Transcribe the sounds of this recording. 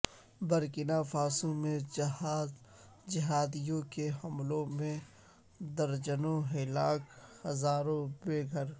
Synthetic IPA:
bəɾkɪnafaːsũmẽd͡ʒɐɦaːz | d͡ʒɪɦaːd̪ijõkeɦɐmlõmẽ | d̪əɾd͡ʒənõɦɪlaːkhɐzaːɾõbeːɡʱəɾ

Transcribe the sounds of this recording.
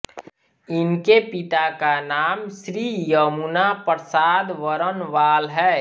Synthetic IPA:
ɪnkepɪt̪akanaːmsɾiːjəmunapɾsaːd̪ʋəɾənʋaːlɦɛː

